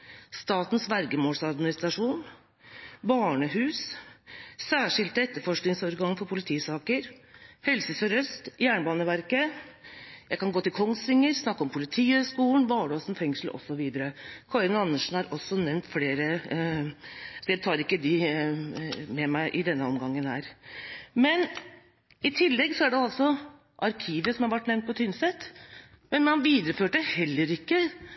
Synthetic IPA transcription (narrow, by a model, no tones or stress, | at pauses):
st̪ɑːt̪n̩sʋæɾɡəmoːlsɑd̪mɪnɪst̪ɾɑʂuːn | bɑːɳəhʉːs | sæːʂɪlt̪əɛt̪ːəɾfɔʂknɪŋsɔɾɡɑŋfɔɾpʰʊlɪt̪ʰiːsɑːkəɾhɛlsəfɔɾœst̪jæːɳəbɑːnəʋæɾkə | jæɪkɑnɡoːt̪ɪlkʰɔŋsɪŋːəɾsnɑkːɔmpʰʊlɪt̪ʰiːəskuːlən̩ʋɑːɖoːsn̩fɛŋʂl̩ɔ̰sːɔʋiːd̪əɾəkʰɑɾɪnɑnːəʂn̩hɑɾʔɔsːɔnɛʋnt̪fleːɾə | sɔjæɪt̪ʰɑːɾɪkːəd̪ɪ | mɛmæɪʔɪd̪ɛnːəɔmɡɑŋːənhæ̰ːɾ | mɛn | ɪt̪ʰɪlːɛɡsɔæɖɛɑlsɔ | ʔɑɾkʰiːʋəsɔmhæɑɾʋæʈnɛʋnt̪pʰɔt̪ʰʏnsɛt̪ː | mɛnmɑnʋiːd̪əɾəføːʈəhɛlːəɾɪkːə